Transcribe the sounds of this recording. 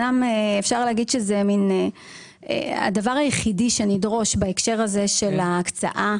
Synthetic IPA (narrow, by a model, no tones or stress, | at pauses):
ameefʃaʁleaɡid̪ʃezemine | ḛa̰davaʁajeχidiʃe̞nidʁo̞ʃbaekʃe̞ʁaze̞ʃe̞laːkt͡sa̰ʔa